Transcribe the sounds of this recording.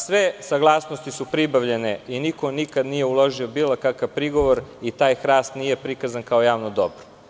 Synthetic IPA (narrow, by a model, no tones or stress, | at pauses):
sʋesaɡlˠaːsnost̪isupɾibaʋʎe̞neiniko̞nikad̪nijeulˠo̞ʒio̞biːlˠokakaʋpɾiɡo̞ʋoɾit̪aːjxɾaːst̪niːje̞pɾikazankaojaːʋnod̪obɾo̥